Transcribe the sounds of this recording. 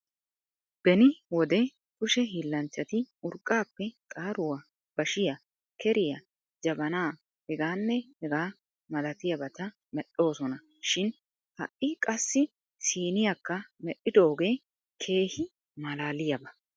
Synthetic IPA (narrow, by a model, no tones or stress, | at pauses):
b̥ɛnɪwɔd̪ɛ | kʊʃɛɦiːlːɐnt͡ʃːɐt̪ɪʊɾkʼːaːpːɛt̪ʼaːɾʊwɐ | b̥ɐʃɪjɐ | kɛɾɪjɐ | d͡ʒɐbɐnaː | hɛɡaːnːɛhɛɡaː | mɐlɐt̪ɪjɐbɐt̪ɐ | mɛɗːo̞ːsɔnɐ | ʃɪn | hɐ̰ʔʔɪkʼɐsːɪ | siːnɪjakːɐmɛʔɪd̪oːɡe̞ː | kʰe̞ːhɪ | mɐlaːlɪjɐbɐ